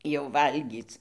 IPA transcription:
jɛʊ ˈʋɐlʲɡʲiːt͡s

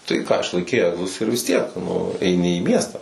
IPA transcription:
tɐɪ kɑː ɪʃlˠɐɪˈkʲɛɪ ˈæːɡzʊs ɪr ʋʲɪs ˈtʲiɛk nʊ ɛɪˈnʲɪ iː ˈmʲiɛstɑː

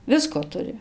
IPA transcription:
ˈʋʲɪskoː ˈtʊrʲɪ

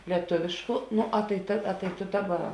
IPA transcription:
lʲiɛˈtʊʋʲeːʃkʊ ˈnoː ɐ tɐɪ ˈtɐ ɐ toː ˈdɑːˌbɐ

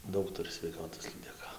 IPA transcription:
ˈdɐʊk ˈtʊrʲɪ sʲʋʲɛɪˈkɑːtoːs lʲiːdʲɛˈkɐ

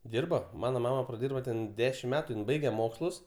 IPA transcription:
ˈdʲiːrbɐ ˈmɑːnɐ ˈmɑːmɐ prɐˈdʲiːrboː tʲɛn ˈdʲæːʃʲɪmt ˈmʲæːtʊ ˈjɪn ˈbɐɪɡʲɛ ˈmoːkslˠʊs

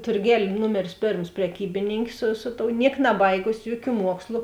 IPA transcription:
tʊrʲˈɡʲɛlʲ ˈnʊmʲɛrʲɪs ˈpʲeːrms pʲrʲɛˈkʲiːbʲɪnʲɪŋʲkʲeː sʊ ˈsʊ ˌtoːʊ ˈnʲiɛk nɐˈbɐɪɡʊsʲɪ ˈjuɔˌkʲuː ˈmuɔkslˠʊ

